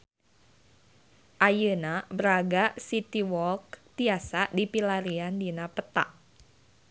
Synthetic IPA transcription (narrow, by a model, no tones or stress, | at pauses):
ʔajənabəɾaɡasit̪iwɔlk̚t̪iasadipilaɾiandinapət̪a̰ʔ